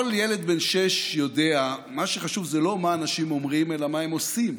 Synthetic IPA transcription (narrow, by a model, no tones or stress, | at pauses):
oljele̞d̪benʃeʃjo̞d̪eamaʃeχaʃuvzelo̞maːnaʃimo̞mʁime̞lamaemo̞sim